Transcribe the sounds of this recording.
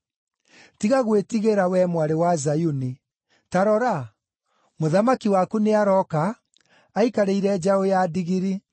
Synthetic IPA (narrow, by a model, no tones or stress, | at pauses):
tiɣaɣwetiɣeɾawɛmwaɾewazajuni | taɾɔɾa | moðamakiwakuneaɾɔkaː | ikaɾeiɾɛd͡ʑaojadiɣiɾi